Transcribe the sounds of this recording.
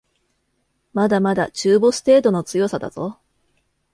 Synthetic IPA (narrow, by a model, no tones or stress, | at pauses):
mad̪amad̪at͡ɕɨːbo̞sɨ̥t̪e̞ːt̪o̞no̞t͡sɨjo̞sad̪a̰z̥o̞